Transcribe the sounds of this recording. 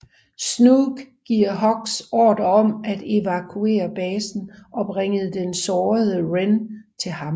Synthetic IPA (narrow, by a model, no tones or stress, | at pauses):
snuɡ̥ɡ̥iɐ̰ɦɒ̽ɡ̥sɒ̰ːd̥ɐɒ̽mæd̥e̝ʋækʰue̝̰ːɐb̥ɛːsn̩ʔɒ̽b̥ʁeŋəð̩ˠd̥ensɒːðˠəʁent͡sʰe̝lhɑ̈m